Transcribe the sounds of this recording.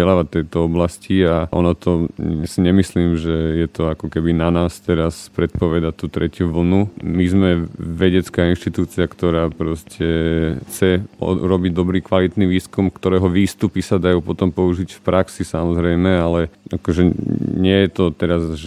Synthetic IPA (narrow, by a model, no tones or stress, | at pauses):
ɛlaːʋat̪ːɛjt̪ɔɔblasciaʔɔ̰nɔt̪ʰɔsiɲɛmisliːmʒɛjɛt̪ɔakɔkɛbinanaːst̪ɛɾaspɾɛt̪̚pɔʋɛd̪at̪ut̪ɾɛcjuʋl̩numizmɛʋɛɟɛt͡skaːinʃt̪it̪uːt͡siakt̪ɔɾaːpɾɔscʰɛxt͡sɛɔ̰ɾɔbiɟd̪ɔbɾiːkʋalit̪niʋiːskumkt̪ɔɾɛːɦɔʋiːst̪upisad̪ajuːpɔt̪ɔmpɔuʒicfpɾaksisamɔzɾɛjmɛalɛakɔʒɛɲɪɛjɛt̪ɔt̪ɛɾazʒ